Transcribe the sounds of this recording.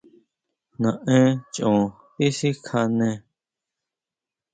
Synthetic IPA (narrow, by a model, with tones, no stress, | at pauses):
nã˨ʔɛ̃ː˦t͡ʃʼõː˨ | pi˦si˦kʰa˦˧nɛ̃˦˨